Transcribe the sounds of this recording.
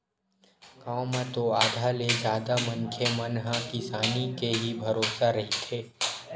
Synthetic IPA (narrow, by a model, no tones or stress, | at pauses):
kãːmẽt̪oaːd̪ʱaːled͡ʒjaːd̪amɐ̃ŋkʰjemɐnɦãkɪsaːnikeɦibʱɐɾoːsaɾɐɦit̪ʰeː